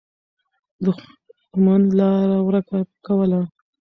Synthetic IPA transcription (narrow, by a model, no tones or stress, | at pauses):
d̪ə | xmand̪lɑɾawɾəkakawəla